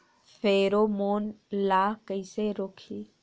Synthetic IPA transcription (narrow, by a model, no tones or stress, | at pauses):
fʰeːɾoːmoːnlaːkəiseɾoːkʰiː